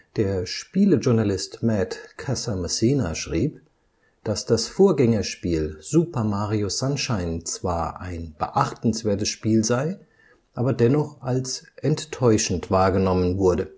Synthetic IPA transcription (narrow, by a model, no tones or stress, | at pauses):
d̥eːɐʃpiːləʒʊɐnalɪstmɛtkʰasamasiːnaʃʁ̥iːp | d̥asd̥asfoːɐɡɛŋɐʃpiːlz̥uːpɐmaːʁiosanʃaɪnt͡sv̥aːɐʔaɪnb̥ə̰ʔaχtn̩sv̥eːɐtəsʃpiːlzaɪ | ʔaːbɐdɛnɔχʔalsʔɛntːʰɔʏʃn̩tv̥aːɐɡənɔmənvʊɐdə